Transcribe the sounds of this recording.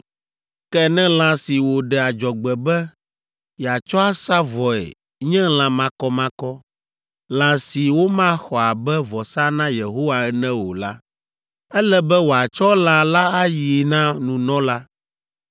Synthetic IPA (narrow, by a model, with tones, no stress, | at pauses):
kɛ˦nɛ̃˦l̃ã˨si˨wo˨ɖɛ˨a˨d͡ʒɔ˨ɡ͡bɛ˨bɛ˦ | jɛ˨a˨t͡ʃɔ˦a˦sa˦vɔ˨ɛ̰˨ | ɲɛ̃˦l̃ã˨mã˦kɔ˦mã˦kɔ˦ | lã˨si˨wo˦mã˦xɔ˨a˨bɛ˦vɔ˨sa˦nã˦je˨ɦo˦wa˨ɛ˦nɛ̃˦wo˨la˦ | ɛ˦lɛ˦bɛ˦wo˨a˨t͡ʃɔ˦lã˦la˦a˦ji˨nã˦nũ˨nɔ̃˦la˦